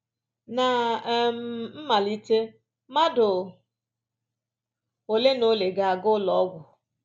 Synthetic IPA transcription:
na˨˦m̩˨m̩˦ma˨li˦te˦ | ma˦dʊ˨ | o˨le˦no˦le˨ɡa˨a˨ɡʊ˦lɔ˦ɡʷʊ˨

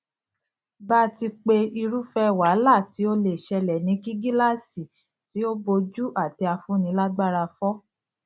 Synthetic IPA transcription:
ba˦ti˧k͡pe˧i˧ɾu˦fɛ˦˨wa˨˦la˦˨ti˨˦o˧le˨ʃɛ˧lɛ˨nĩ˨˦ki˦ɡi˦la˦˨si˨ | ti˨˦o˦bo˧d͡ʒu˦ʔa˦˨ti˧a˧fũ˦nĩ˧˦la˦ɡ͡ba˦ɾa˧fɔ˦

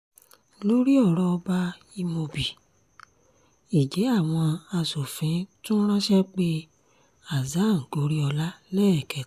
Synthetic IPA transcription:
lo˦ɾi˦ɔ˦˨ɾɔ˧ɔ˧ba˧ | i˧mo˧bi˨ | i˨d͡ʒɛ˨˦a˦˨w̃ɔ̃˧a˧su˨fĩ˨˦tũ˦ɾ̃ã˦ʃɛ˦k͡pe˦ | a˨za˨˦˨ŋ̩˨ɡo˨˦ɾi˦ɔ˧la˦lɛ˦ɛ˨kɛ˨˦

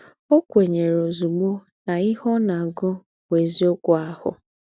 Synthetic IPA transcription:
o˦kʷe˨ɲe˨ɾo˨zu˨ɡ͡bo˦ | na˨ɪ˦ɦɔ˦na˨ɡʊ˦ | we˨zi˦o˦kʷʊ˦a˦hʊ̰˨

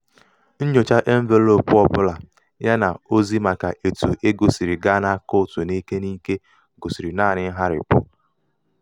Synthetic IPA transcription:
n̩˦ɲo˨t͡ʃa˦ʔe˦m̩˦ve˦lo˨pʊ˦ɔ˦˨pʊ˦la˨ | ja˦na˨o˦zi˦ma˨ka˨ʔe˨tu˨ʔe˦ɡo˨si˨ɾi˨ɡa˦na˦kʊ˦˨tʊ˨ni˦ke˦ni˦ke˦ | ɡo˨si˨ɾi˨na˦˨nɪ˦ɦa˦ɾɪ̰˨pʊ˦

